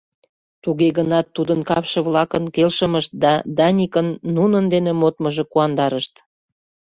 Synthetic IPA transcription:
t̪uɣeɣənɑt̪ːud̪ənkɑpʃə̆βlɑkənkelʃəməʃt̪̚d̪ɑd̪ɑnʲikənːunənd̪enemot̪məʒĕkuɑnd̪ɑɾəʃt̪

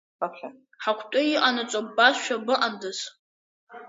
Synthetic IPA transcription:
apχʲa | ħakʷʰtʷʼʊiʔʼanɨt͡sʷʼobasʃᶣabɨʔandɨz

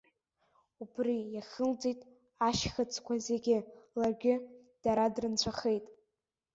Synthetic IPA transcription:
upʰrijaχəld͡zitʼ | aʃχət͡sʰʼkʷʰazeɡʲɪlarɡʲɪd̥aɾadrɨnt͡ɕʷʰaχejtʼ

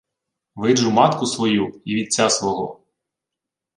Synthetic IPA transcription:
ʋɪʒʊmɑt̪kʊsʋɔjuiʋʲid̪̚ʲt͡sʲasʋɔɦɔ

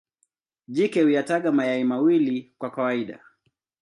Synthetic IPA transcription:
ʄikɛhujataɠamajaimawilikwakawaiɗa̰

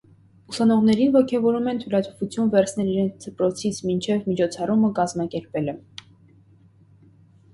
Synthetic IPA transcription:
usɑnɔʁnɛɾinvɔkʰɛvɔɾumɛnt̪ʰulɑt̪ʰɔ̥vut͡sʰjunvɛɾt͡sʰnɛliɾɛnt͡sʰd̪əpɾɔt͡sʰit͡sʰmint͡ʃʰɛvmit͡ʃʰɔt͡sʰɑruməkɑzmɑkɛɾpɛlɛ

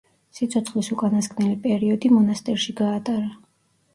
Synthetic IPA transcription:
sit̪sʰɔt̪sʰχlisukʼanaskʰnɛlipʼɛɾiɔd̪imɔnast̪ʼɛɾʃiɡaːt̪ʼaɾa

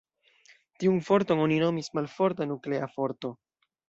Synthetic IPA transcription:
tiunfo̞ɾtono̞nino̞mismalfo̞ɾtanukle̞afo̞ɾto̞

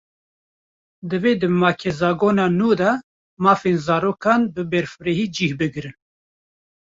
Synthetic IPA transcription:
d̪ɨveːd̪ɨmɑːkʰɛzɑːɡoːnɑːnuːd̪ɑ | mɑːfeːnzɑːɾoːkʰɑːnbɨbɛɾfɨɾeɦiːd͡ʒiːhbɨɡɾɨn

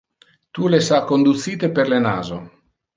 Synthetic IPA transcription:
t̪ulesakːond̪ut̪siːt̪eperlena̰ːzo̰

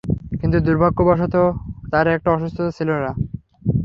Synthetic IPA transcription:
kint̪ud̪uɾbʱakːobaʃot̪ot̪aɾɛk̚ʈaɔʃust̪ʰot͡ɕʰilona

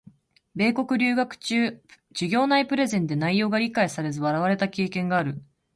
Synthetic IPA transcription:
be̞ːko̞kɯ̟ɾʲɨːɡakɯ̟̥t͡ɕɨː | d͡ʑɨɡʲo̞ːnaipɯ̟ɾe̞zẽ̞nd̪e̞naijo̞ːɡaɾʲikaisaɾe̞zɨβaɾaβ̞aɾe̞t̪akʲe̞ːkẽ̞ŋɡaːɾɯ̟

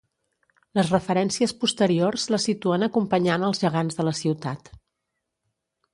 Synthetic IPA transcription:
ləzrəfəɾɛnsiəspust̪əɾiorzləsit̪uənəkumpəɲanəlˠzʒəɣ̞anzðələsiwt̪at̪

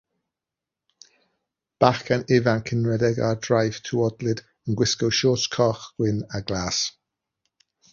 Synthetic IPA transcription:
b̥aχkʰanɪvankʰɪnɹɛdɛɡa̰drajv̥tʰuɔdlɪd̥ | ənɡwɪskɔwʃɔːtskʰɔχɡ̥wɪnaɡlaːs

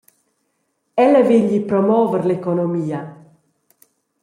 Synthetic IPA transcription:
ɛləviʎipɾɔmɔːvəɾlekonɔmiːa

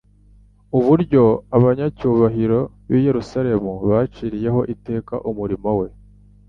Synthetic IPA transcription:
uβuɾɟo̞aβaɲacuːβaɦiɾo̞ | βiːje̞ɾusaɾe̞muβat͡ʃiɾije̞ɦo̞̰ʔite̞ːka̰ʔumuɾimowe̞

